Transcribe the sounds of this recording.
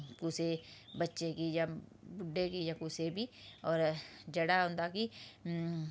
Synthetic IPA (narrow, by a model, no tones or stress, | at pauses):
kusebətːʃekijabʊɖʱːekijakusebʱiɔːɾd͡ʒɐɽaɦõːnd̪aki